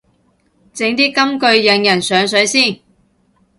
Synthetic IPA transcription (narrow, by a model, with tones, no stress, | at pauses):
t͡sɪ˨˥ŋt̪iː˥kɐ˥mkɵ˧ɥjɐ˨˧ŋjɐ˨˩nsœː˨˧ŋsɵ˨˥ɥsiː˥˩n